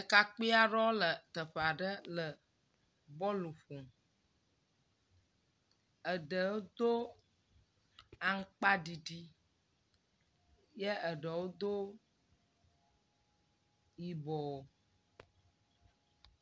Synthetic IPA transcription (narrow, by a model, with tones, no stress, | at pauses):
ə˨ka˦k͡pi˦a˦ɖɔ˦lə˨t̪ə˨ɸe˨a˨ɖə˦lə˨ | bɔ˦lu˨ɸo˨m | ə˨ɖə˨wo˦d̪o˦ | a˨ŋ̩˦k͡pa˦ɖi˨ɖi˦ | je˦ə˨ɖə˨wo˦d̪o˦ | ji˨bɔ˨o˨